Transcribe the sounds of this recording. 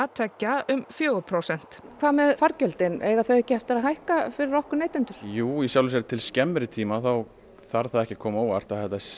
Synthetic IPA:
at̪ʰɛcːaʏmfjoːɾpʰɾowsɛn̥t̪kʰvaðmɛðfaɾcœlt̪ɪnɛɣaθœɥɛhcːɪhɛft̪ɪɾaðɦajhkafɪɾɪɾɔhkʏneːjt̪ɪnt̪ʏɾ̥juːisjawlvis̬ɛɾt̪ʰɪlscɛmːɾɪt̪ʰiːmaθaw | θaɾθaðɛhcɪkʰɔːmoːwaɾ̥t̪aðθɛht̪ːa

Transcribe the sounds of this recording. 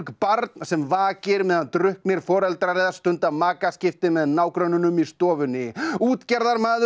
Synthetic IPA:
kpaɾt̪nsɛmvaːcɪɾmɛðant̪ɾʏhkmjɛɾ̥fɔːɾɛlt̪ɾaɾɛjðast̪ʏnt̪amaːkascɪft̪ɪmɛðnaːwkɾœnʏnʏmist̪ɔːvʏnɪuːt̪cɛɾðaɾmaːðʏ

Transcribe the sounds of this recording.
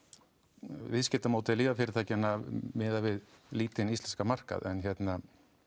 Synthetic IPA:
vɪðscɛːt̪amaːwt̪ɪliːvafɪɾɪɾ̥t̪ʰajcɛnːamɪːðavɪðliːt̪ɪnist̪ɛnskamar̥ka̰ðɛ̰nçjɛt̪na

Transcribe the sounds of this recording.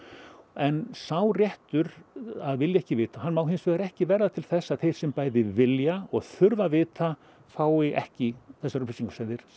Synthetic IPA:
ɛnsawrjɛht̪ʏɾaðvɪljɛhcɪvɪːt̪aɦanːmawɦɪnsvɪːɣðaɾɛhcɪvɛɾðat̪ʰɪlθɛsːaðθejɾ̥sɛmpaːjðɪvɪljaɔɣθʏɾvavɪːt̪a | faːwɪʔɛ̰hcɪθɛsːaɾʏplisiŋkʏ̥sɛnðɪɾ̥

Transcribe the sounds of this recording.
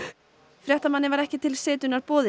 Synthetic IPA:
fɾjɛht̪amanːɪvaɾɛhcɪt̪ʰɪlseːt̪ʏnaɾpɔːðɪ

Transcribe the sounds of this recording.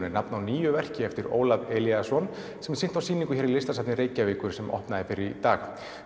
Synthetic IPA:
nɪnapnawniːjʏvɛr̥cɪɛft̪ɪɾo̰ːwlavɛljasɔn | sɛmsɪn̥t̪awsiːnĩŋkʏçɛɾilɪst̪asap̪nɪɾeːjcaviːkʏɾ̥sɛmʔɔ̰hpnaðɪfɪɾɪɾit̪aːɣa

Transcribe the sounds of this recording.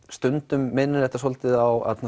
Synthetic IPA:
st̪ʏnt̪ʏmːɪnːɪɾɛht̪asɔlt̪ɪðawa̰t̪na

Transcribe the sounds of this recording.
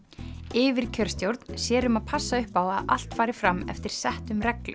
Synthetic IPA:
ɪːvɪɾ̥cʰœɾ̥st̪jowɾt̪n̥sjɛːɾʏmaðpʰasːaʏhpawaðʔa̰l̥t̪faːjɾɪfɾamːɛ̰ft̪ɪɾ̥sɛht̪ʏmrɛklʏ

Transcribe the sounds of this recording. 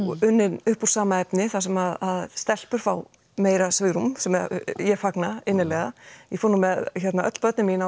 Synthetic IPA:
ɔʏnːɪnʏhpuɾ̥saːmaɛpnɪθasɛmaðaðst̪ɛl̥pʏɾ̥faw | meːjɾasɪːɣɾumsɛmɛjɛfaknaɪnːɪlɛɣajɛfonʏmɛðçɛt̪naœ̰t̪l̥pœt̪nɪmiːna

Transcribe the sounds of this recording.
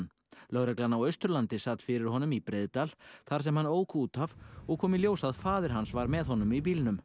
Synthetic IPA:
n | lœwɾɛklanawœɥst̪ʏɾlant̪ɪsat̪fɪɾɪɾ̥ɦɔnʏmipɾeːðt̪alθaɾ̥sɛmhanːoːwkʰuːt̪avɔɣkʰɔːmɪljoːwsaðfaːðɪɾ̥ɦansvaɾmɛðɦɔnʏmip̬iːlnʏm

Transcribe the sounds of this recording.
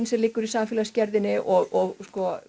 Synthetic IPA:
nsɛlɪkːʏɾisaːmfɪlascɛɾðɪnɪʔɔɣɔɣskɔ

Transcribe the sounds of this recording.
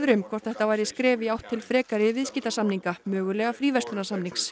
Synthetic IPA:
ðɾʏmkʰvɔr̥t̪θɛht̪ːavaːjɾɪskɾɛːvɪawht̪ʰːɪlfɾɛːkaɾɪvɪðsciːt̪asamniŋkamœːɣʏlɛɣafɾiːvɛst̪ʏnasamniŋks

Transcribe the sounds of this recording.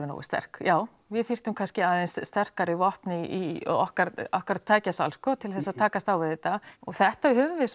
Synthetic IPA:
vɪno̰wɪ̰st̪ɛ̰r̥kjaːw | vɪðθir̥t̪ʏmkʰanscɪaːðensst̪ɛr̥kaɾɪvɔhpnɪḭɔhkaɾɔhkaɾt̪ʰːaːjcasa̰lskɔt̪ʰɪlθɛsːaðt̪ʰaːkast̪awvɪðɛt̪aɔɣθɛht̪aɪhɦʏːvʏvɪs

